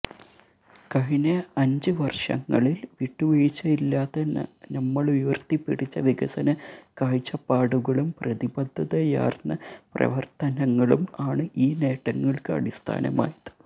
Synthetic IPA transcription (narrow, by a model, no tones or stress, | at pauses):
kɐɦinɐɐɲd͡ʑɨʋɐrʂɐ̰ŋːɐ̰ɭilʋiʈːuʋeɻit͡ɕːɐilːaːt̪ːɐnnɐmːɐɭʋiʋɐrt̪ipːiɽit͡ɕːɐʋiɡɐsɐnɐkaːɻt͡ɕːɐpaːɽuɣɐɭumprɐðibɐd̪ʱːɐðɐja̰ːrnːɐprɐ̰ʋɐrt̪ɐnɐŋːɐɭumaːɳɨʔiːne̞ːʈːɐŋːɐɭkɨɐ̰ɽist̪ʰa̰ːnɐ̰ma̰ːjɐðɨ̥